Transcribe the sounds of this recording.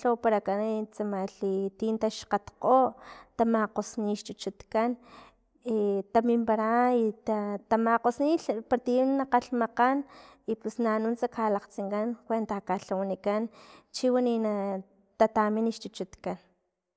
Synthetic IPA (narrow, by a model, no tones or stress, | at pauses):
opaɾakanit͡samaɬit̪int̪aʃqat̪qoʔt̪amaqosniʃt͡ʃ̪ut͡ʃut̪kan | it̪amimpaɾait̪at̪amaqosnipaɾt̪innaqaɬmaqanipusnanunt͡sakalaqt͡siŋkankʷent̪akaɬawanikant͡ʃiwanina | t̪at̪aminiʃt͡ʃ̪ut͡ʃut̪kan